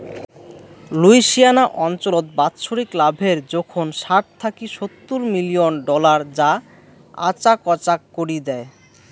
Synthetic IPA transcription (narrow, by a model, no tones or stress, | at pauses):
luiʃijanaʔɔnt͡ɕolot̪̚bat̪ːʃoɾiklabʱeɾd͡ʑɔkʰonʃaʈ̚t̪ʰakiʃot̪ːuɾmilionɖɔlaɾd͡ʑa | a̰t͡ɕakɔt͡ɕakːoɾid̪ɛe